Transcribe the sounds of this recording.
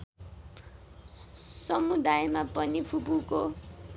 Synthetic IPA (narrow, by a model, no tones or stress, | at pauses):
sɔmud̪aɛmapʼɔnifʰubuːkɔ